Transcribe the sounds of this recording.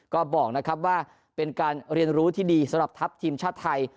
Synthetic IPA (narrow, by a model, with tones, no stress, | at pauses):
kɔː˥˩bɔː˨˩k̚na˦˥kʰa˦˥p̚waː˥˩ | pe˧nkaː˧nɾi˧ənɾuː˦˥t̪ʰiː˥˩diː˧sa˨˦mɾa˨˩p̚t̪ʰa˦˥p̚t̪ʰiː˧mt͡ɕʰaː˥˩t̪ʰːa˧j